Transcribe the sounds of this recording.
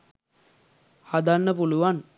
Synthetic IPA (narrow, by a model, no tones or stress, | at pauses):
had̪anːəpuluʋan